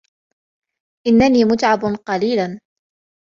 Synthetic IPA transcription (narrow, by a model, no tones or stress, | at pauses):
ʔɪnːaniːmʊt̪ʕabnqɑliːlan